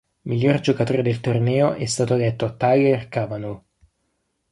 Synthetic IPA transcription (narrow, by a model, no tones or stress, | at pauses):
miʎːord͡ʒokat̪oːɾed̪elt̪ornɛːoʔɛst̪aːt̪od̪et̪ːot̪aɡerkavanul